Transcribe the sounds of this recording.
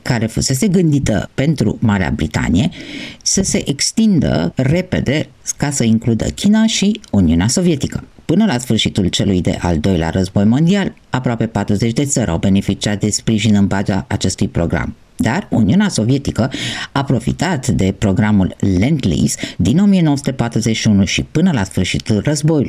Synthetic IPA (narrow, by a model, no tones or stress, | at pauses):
kaɾe̞fuse̞s̬e̞ɡɨnd̪it̪ə̰pe̞nt̪ɾṵmaɾea̰bɾit̪a̰nije̞səse̞ʔekst̪ind̪ə̰re̞pe̞̰d̪e̞ | kasəiŋklud̪ə̰kʲʰinaʃiuniuneaso̞vije̞t̪ikəpɨnəlasfɨrʃit̪ult͡ʃe̞lujd̪e̞̰ʔa̰ld̪o̞jlea̰rəzbo̞jmo̞nd̪ial | apɾoape̞pat̪ɾuze̞t͡ʃd̪e̞t̪səɾʲʔa̰wbe̞ne̞fit͡ʃiat̪̚d̪e̞spɾiʒinɨmbad͡ʒa̰ʔat͡ʃe̞st̪ujpɾo̞ɡɾa̰m | d̪arṵniuneaso̞vie̞t̪ikəapɾo̞fḭt̪at̪d̪e̞pɾo̞ɡɾamulːend̪lḭsd̪ino̞mije̞no̞oəsu̥t̪e̞pat̪ɾuzeʃiunuʃipɨnəlasfɨrʃit̪ulrəzbo̞julj